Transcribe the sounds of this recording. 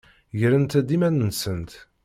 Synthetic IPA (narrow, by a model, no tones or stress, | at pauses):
ʝəɾənt̪æd̪imænənsənt̪